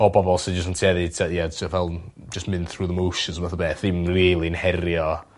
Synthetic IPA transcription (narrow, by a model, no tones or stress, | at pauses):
ɔbɔbɔlˠsɪd͡ʒəsəntʰiɛðɨtʰajɛtʰavɛlˠ | d͡ʒəsmɨnθruːðəmowʃənsəmɛθəbeːθɪmrilˠinhɛɾjɔ